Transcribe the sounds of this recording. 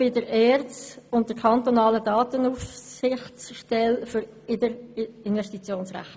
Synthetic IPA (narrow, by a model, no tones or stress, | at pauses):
b̥ɪdəɾɛːɾʊnt̚d̥əkʰɑntonɑːlədɑːtənuːfsɪχsʃtɛlfʏɾ | ɪdəɾɪnvɛʃtit͡sjoːnsʁæ̰χ